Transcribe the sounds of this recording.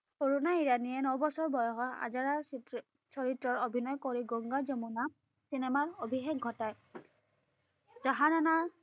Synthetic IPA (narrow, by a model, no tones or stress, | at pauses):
oɹunaiɹanijɛnɔwbɔsɔɹbɔjɔɦɔa̰zaɹaɹ | sɔɹitɹɔɹobʱinɔjkoɹiɡɔŋɡazɔmuna | sinɛmaɹobʱixek̚ɡʱɔtaj | zaɦananaɹ